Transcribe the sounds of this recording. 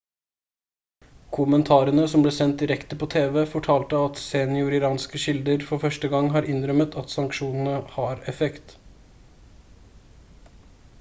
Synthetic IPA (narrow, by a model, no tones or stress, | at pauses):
kʰʊmənt̪ʰɑːɾənəsɔmbleːsɛnt̪̚d̪ɪɾɛkt̪əpʰoːt̪ʰeːʋeːfɔʈʰɑːlt̪əɑt̪senɪʊɾɪɾɑːnskəʃɪld̪əɾfɔɾfœʂʈəɡɑŋɦɑːɾʔɪnɾœmət̪ʰɑt̪sɑŋkʃuːnn̩əhɑːɾɛfɛkt̪